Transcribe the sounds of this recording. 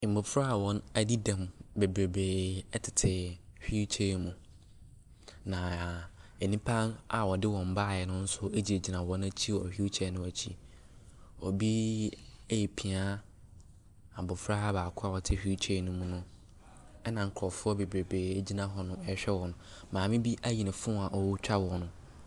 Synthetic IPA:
m̩˨bʊ˨fɾa˦a˨wɔ̃˦næ˦di˦dã˨mbe˨bɾe˨beː˨ɛ˦tʰɪ̥˨tʰɪ˨ɕᶣi˦u˦t͡ɕʰe˦˨mũ˨ | nã˨ | e˨nĩ˦pʰã˦na˨wɔ˨dɪ˦wɔ̃˨m̩˨˦ba˦˨jɛ˨nʊ̃˦n̩˦sʊ˦e˦d͡ʑi˨e˨d͡ʑi˨nã˨wɔ̃˦næ˦t͡ɕʰi˦ɔ̰˨hᶣi˦u˦t͡ɕʰɛ˨˦nʊ̃˦æ˨t͡ɕʰḭ˦ | ɔ˨bi˦ | jɛ˨pʰi˨a˦ | a˨bʊ˨fɾa˦baː˨kʰʊ˦a˦˨wɔ˨tʰɪ˦ɕᶣi˦t͡ɕʰe˦˨nʊ̃˦mũ˦nʊ̃˦ | ɛ˦nã˨ŋ̩˦kʰɾɔ˨fʊ˦ɔ˦be˨bɾe˨beː˨e˨d͡ʑi˦nã˦ɦɔ˦nʊ̃˦ɛ˦ɕᶣɛ˦wɔ̃˨nʊ̃˨mãː˨mɪ̃˦bi˦ʔæ˦ji˨nɪ̃˨fʊ̃˦˨˦a˨ʔɔ˨wʊ˦t͡ɕᶣa˦wɔ˨nʊ̃˦

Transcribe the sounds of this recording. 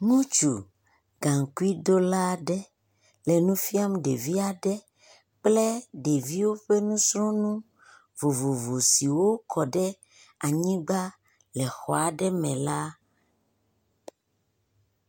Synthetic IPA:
ŋũ˦t͡ʃu˨ | ɡã˨ŋ˨ku˦i˦do˦la˦ɖɛ˦ | lɛ˨nũ˦fi˦a˦m˦ɖe˨vi˦a˨ɖɛ˦ | k͡plɛ˦ɖe˨vi˦wo˦ɸe˦nũ˦sɾɔ̃˦nũ˦ | vo˨vo˨vo˨si˨wo˦kʰɔ˨ɖɛ˦ | a˨ɲĩ˦ɡ͡ba˦ | lɛ˨xɔ˨a˨ɖɛ˦mɛ̃˨la˦

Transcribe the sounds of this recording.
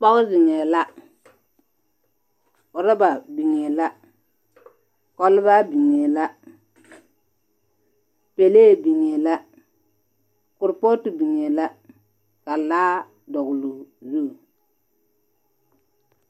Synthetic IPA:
k͡pɔ˦ɣʊ˦zɪ˨ŋɛ˨la˦ | ʊ˨ɾɪ˦ba˨bi˨ŋɛ˨la˦ | kɔ˦lba˦bi˨ŋɛ˨la˦ | pe˨leː˦˨bi˨ŋe˨la˦ | kʊ˨ɾpo˦tu˨bi˨ŋɛ˨la˦ | ka˨laː˦ | dɔ˨ɡlu˨zu˦˨

